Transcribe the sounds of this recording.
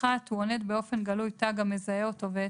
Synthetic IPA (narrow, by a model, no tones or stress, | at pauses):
at̪huo̞ne̞d̪be̞o̞fe̞nɡalujtaɡamezajeoto̞ve